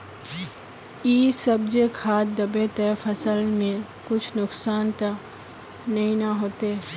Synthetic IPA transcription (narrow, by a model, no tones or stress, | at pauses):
iːsəb̚d͡ʒekʰaːd̪əbet̪efʰəsəlmẽ | kʊt͡ʃʰnʊksaːnt̪ə | nɐɦĩnaɦoːt̪e